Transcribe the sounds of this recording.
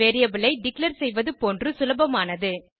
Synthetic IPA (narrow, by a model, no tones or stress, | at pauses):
eːɾɪjɐʋɪɭɐɪɖ̪ɪklɐɾsɛjʋɐðɯpoːndrɯsʊlɐbɐmaːnɐðɯ